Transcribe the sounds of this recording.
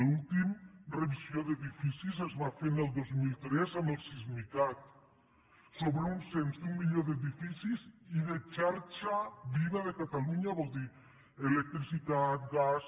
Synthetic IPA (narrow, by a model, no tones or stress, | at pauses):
lult̪imreβisjoðeðifisisezβafeneld̪ozmilt̪ɾesanelsizmik̪at̪̚ | soβɾeunsent̪d̪uŋmiʎoðeðifisisiðet͡ʃaɾt͡ʃaβiβaðekat̪aluɲaβold̪i | elek̚t̪ɾisit̪at̪̚ɡas